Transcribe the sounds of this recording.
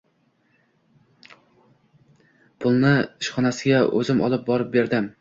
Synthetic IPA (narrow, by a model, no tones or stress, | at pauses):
pʰʊlˠnɪɪʃχɒnasɪɡʲaʔɵ̰zɪmɒ̰lˠɪp̚bɒɾɪp̚be̞ɾd̪ɪm